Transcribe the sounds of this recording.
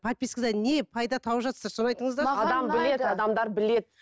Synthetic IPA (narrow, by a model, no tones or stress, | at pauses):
pʰat̪̚pʲiskɪzɑnepʰɑjd̪ɑt̪ʰɑwəʒɑt̪əsɑɾso̞nɑjt̪əɴəzd̪ɑɑd̪ɑmbɪle̞d̪ɑd̪ɑmd̪ɑɾbɪle̞d̪ɪ